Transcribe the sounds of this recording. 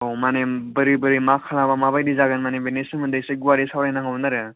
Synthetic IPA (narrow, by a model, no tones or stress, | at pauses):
omanebɯɾibɯɾimakʰalabamaβajdizaɡɯnmanebenesɯŋmɯndɯsɯjɡuwaɾisawɾajnaŋawnaɾɯ